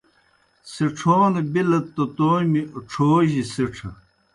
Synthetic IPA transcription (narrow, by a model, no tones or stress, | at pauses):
seʈ͡ʂʰoːnebilɐt̪ːɐt̪oːmioʈ͡ʂʰoːʑiseʈ͡ʂʰɐ̰